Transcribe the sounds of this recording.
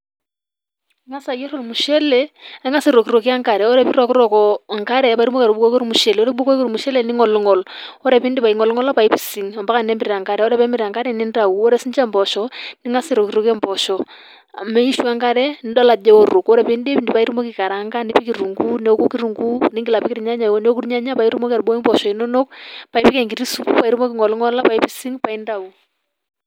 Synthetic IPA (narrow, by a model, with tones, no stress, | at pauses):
ŋa˦sa˨jɛ˦ɾo˨ɾu˨mu˨ʃɛ˦lɛ˨e˦ŋa˦si˦ɾo˨ki˨ɾo˨ki˦a˦ŋka˨ɾɛ˨ɔ˦ɾɛ˨pi˦ɾɔ˨ki˦ɾɔ˨kɔ˨ŋka˦ɾɛ˨pa˨iɾu˦mo˦ka˨ɾu˨bukɔ˦kɔ˦ɾu˦mu˨ʃɛ˨lɔ˦ɾɛ˦ɓo˦kɔ˦i˦ko˦ɾmu˨ʃɛ˦lɛ˨ni˦ŋɔ˨lŋɔ˨lɔ˦ɾɛ˨pi˦ndi˦pa˨i˨ŋɔ˨lŋɔ˦la˦pa˨i˦pi˨si˨ŋɔ˨mba˦ka˨nɛ˦mbi˦ɾa˨ŋka˨ɾɛ˨ɔ˦ɾɛ˦pɛ˦mi˨ɾa˨ŋɡa˦ɾɛ˦ni˦nda˨u˨ɔ˦ɾɛ˦si˦ɲd͡ʒɛ˦mbɔ˨ʃɔ˨ni˦ŋa˦si˦˨ɾo˨ki˨ɾo˦kɛ˦mbɔ˨ʃɔ˨ | a˨me˦i˦ʃu˦a˦ŋɡa˦ɾɛ˦ndɔ˦la˨d͡ʒɛ˦o˦ɾu˨kɔ˦ɾɛ˨pi˦ndpi˨ndi˨pa˨i˦ɾu˦mo˦ki˨ka˨ɾa˨˦ŋɡa˦ni˦pi˦ki˨ɾu˨ŋɡu˦nɛ˦o˦ku˦ki˦ɾu˨ŋɡu˦ni˦ŋɡi˨la˨pi˦kɪɾi˨ɲa˦ɲa˨nɛ˦o˦ku˦ɾɲa˦ɲa˦pa˨i˦ɾu˦mo˦kia˨rbo˦i˦mbɔ˨ʃɔ˨i˨˦no˦no˦k̚pa˨i˦pi˦kɛ˨ŋɡi˨ɾi˦su˦pu˦pa˨i˦ɾu˦mo˦ki˨ŋɔ˨lŋɔ˦la˦pa˨i˦pi˦si˦ŋpa˨i˦nda˨u˨